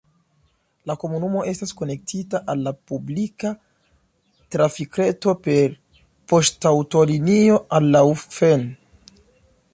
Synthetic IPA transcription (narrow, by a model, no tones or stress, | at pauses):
lako̞munumo̞ʔe̞staskone̞k̚tʰitaʔalːapublika | tɾafikɾeto̞pe̞ɾ | po̞stawto̞linio̞alːawfen